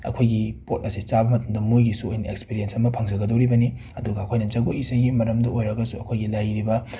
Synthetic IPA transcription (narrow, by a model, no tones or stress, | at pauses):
ɐ̰kʰojɡipot̚ɐsit͡ʃabɐmɐtɐmdɐmujɡisuojniekspiɾiensɐmɐpʰɐŋd͡ʒɐɡɐdoɾibɐni | ɐduɡɐɐkʰojnɐd͡ʒɐɡoisɐjɡimɐɾɐmdɐʔojɾɐɡɐsuɐkʰojɡilajɾibɐ